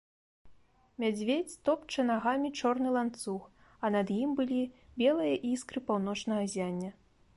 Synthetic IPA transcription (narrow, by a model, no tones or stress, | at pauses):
mʲad͡zʲvʲet͡sʲt̪ɔpt͡ʂɐnaɣamʲit͡ʂɔrnɨlˠant̪sux | ɐnɐd̪jimbɨlʲibʲɛlˠɨjɐʔiskɾɨpawnɔt͡ʂnɐɣɐzʲanʲːɐ